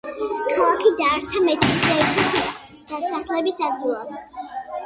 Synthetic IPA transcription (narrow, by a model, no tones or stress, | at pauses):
kʰalˠakʰid̪aːɾt̪ʰamɛt̪ʰisɛt̪ʰis | d̪̥asaχlɛbisad̪ɡilˠas